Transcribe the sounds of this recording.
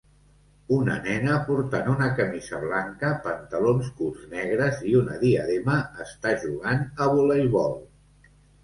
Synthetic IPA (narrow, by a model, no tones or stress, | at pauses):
unə̰nɛnəpuɾt̪anunəkəmizəβlaŋkəpənt̪əlonskulˠznɛɣ̞ɾəziunəðiəðeməːst̪aʒuɣ̞anəβulejβɔlˠ